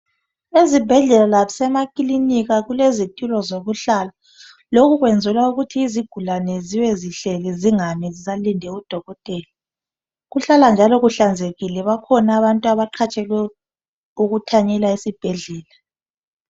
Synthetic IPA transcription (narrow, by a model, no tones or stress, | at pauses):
ezib̥ʱɛɮɛlalaβisɛmakʼiliniɣaɣulezitʼulɔzoβuɬala | lokuɣwɛnd͡zʱɛlauɣutʰiːziɡ̥ʱulanɛziwɛziɬɛɣɛziŋamizizalindʱɛud̥ʱɔɣɔtʼɛːli | ɣuɬaland͡ʒʱalɔɣuɬand͡zʱeɣilɛβakʰɔnaβantʼuaβaǃʰat͡ʃʼɛlwɛ | uɣutʰaɲɛlaisib̥ʱɛɮɛːla